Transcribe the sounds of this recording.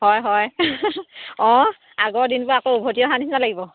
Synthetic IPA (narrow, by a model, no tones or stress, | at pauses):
ɦɔjɦɔj | ɔ̃ | aɡɔɹdinpʊɹakoubʱotijɔɦanisnalaɡibɔ